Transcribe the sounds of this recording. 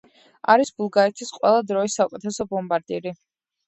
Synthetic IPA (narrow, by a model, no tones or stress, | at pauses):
aɾisbulˠɡaɾɛt̪ʰisqʼwɛlˠad̪ɾɔisːaukʼɛt̪ʰɛsɔbɔmbaɾd̪iɾi